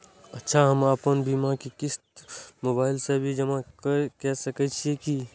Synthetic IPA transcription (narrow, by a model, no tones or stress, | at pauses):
ɐtːʃʰaɦɐmaːpənbiːmakekɪst̪moːbaːɪlsebʱid͡ʒɐmakəkɛsɐkət͡ʃʰieki